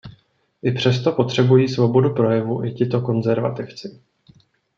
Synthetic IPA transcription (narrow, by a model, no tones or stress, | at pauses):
ʔɪpr̝̥ɛst̪o̞po̞t̪r̝̥ɛbujiːsvo̞bo̞dupɾo̞jɛvuʔɪcɪt̪o̞ko̞nzɛɾva̰t̪ɪft͡sɪ